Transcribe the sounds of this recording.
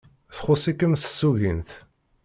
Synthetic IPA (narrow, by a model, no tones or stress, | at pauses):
θχʊsˤikːəmθə̥sːuɣinθ